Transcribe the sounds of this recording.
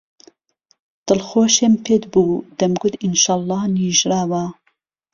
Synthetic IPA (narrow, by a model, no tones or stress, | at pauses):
d̪̥ɨlxoːʃeːmpʰed̪buːd̪̥ɐmɡʊd̪inʃɑːlˠˤːɑːniːʒɾaːwa